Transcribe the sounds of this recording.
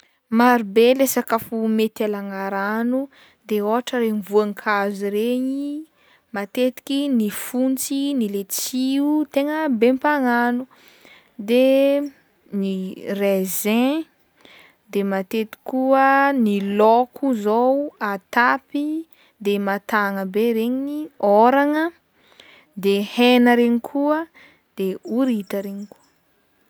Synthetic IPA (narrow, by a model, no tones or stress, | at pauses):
maɾubelesakafumet̪alaŋaɾanu | d̪eoaʈ͡ʂəɾemvuaŋikʰaziɾeɲi | mat̪et̪i̥kʲinifunt͡sinilet͡siut̪eŋəbempaŋanu | d̪e | nirezẽ | d̪emat̪et̪i̥kuənilokʰuzowat̪api | d̪emat̪aŋəbeɾeɲinioɾaŋə | d̪ehenəɾeɲikʰuə | d̪̥euɾit̪əɾeɲikuə